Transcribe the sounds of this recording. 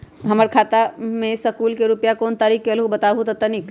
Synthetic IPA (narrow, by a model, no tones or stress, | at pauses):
ɦɐməɾkʰaːt̪amẽsəkuːlkeɾʊpjakoːnt̪aːɾiːkːelɦubɐt̪aːɦut̪ɐt̪ənik